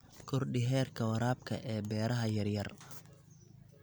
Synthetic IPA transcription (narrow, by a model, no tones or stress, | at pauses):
kʰʊrɖɪɦɛːrkʰɐwɐɾaːb̚kʰɐ̰ʔɛːbɛːɾɐɦɐjɐrjɐr